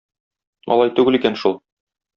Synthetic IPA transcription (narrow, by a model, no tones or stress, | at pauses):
ɒ̰lˠɑjt̪ʉɡɘlikænʃulˠ